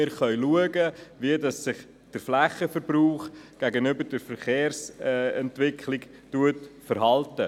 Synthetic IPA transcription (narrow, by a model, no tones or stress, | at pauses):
ɪɾχœʏluəɡəʋiədɑsːɪχ | d̥əɾflæχəfəɾbɾuːχɡ̥æɡənʏbəɾdəɾfəɾχeːɾsɛntʋɪkʰχlɪk | tuətfəɾɦɑltə